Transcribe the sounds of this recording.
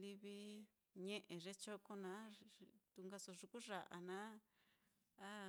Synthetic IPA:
li˧βi˧ | ɲẽ˧ʔẽ˨ʐe˧t͡ʃo˦ko˧nã˧˦t̪u˧ŋɡa˧so˧ʐu˧ku˦ʐa˨ʔa̰˧nã˦ | a˦

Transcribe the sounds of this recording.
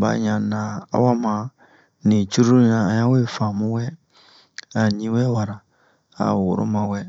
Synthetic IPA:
ba̰˨ɲã˨nã˨a̰˦wa˦mã˨ | nĩ˨t͡ʃu˦ɾu˦ã˨˦ɲã˦we˦fã˨mũ˦wɛ˦ | a˨ɲĩ˦wɛ˦wa˨ɾa˨ | a̰˨wo˨ɾo̰˦mã˨wɛ˦

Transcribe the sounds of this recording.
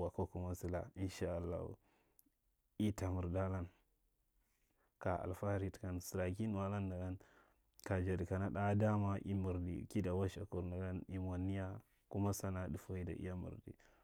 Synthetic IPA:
wa˨ko˦ku˦ma˦si˦la̰˨i˦nʃa˦a˨lːa̰˦hṵ˨ | i˦ta˨mu˨ɾda˦la˦n | ka˨a̰˨lfa˦ɾi˦tka˨nsi˨ɾa˨ki˦n˦wa˦la˦nda˨ɡa˦n | ka˨d͡ʒa˨di˨ka˨na˦ɗa˦da˦ma˦ʔḭ˦mu˨ɾdḭ˨ki˦da˨wa˦ʃa˨ku˨ɾna˨ɡa˦ni˨mo˨ni˦ja˦ | ku˦ma˦sa˦na˦di˨fo˦i˦da̰˨ʔḭ˦ja˦mṵ˨ɾdḭ˨

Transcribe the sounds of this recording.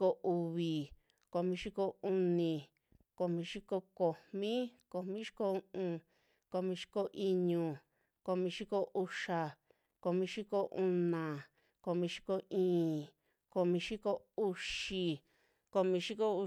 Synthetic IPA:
ko˧u˧βi˨ | ko˧mĩ˧ʃi˦ko˧u˧nĩ˧˨ | ko˧mĩ˧ʃi˦ko˧ko˨mmĩ˦ko˨mĩ˦ʃi̥˦ko˧u˧ʔũ˧ | ko˧mĩ˧ʃi̥˦ko˧ʔi˧ɲũ˧˨ | ko˧mĩ˧ʃi˦ko˧ʔu˧ʂa˧ | ko˧mĩ˧˦ʃi˦ko˧ʔu˧nã˨ | ko˧mĩ˧ʃi̥˦ko˧ĩː˧˦˨ | ko˧mĩ˧ʃi˦ko˧u˧ʃi˧ | ko˧mĩ˧ʃi˦ko˧u˧

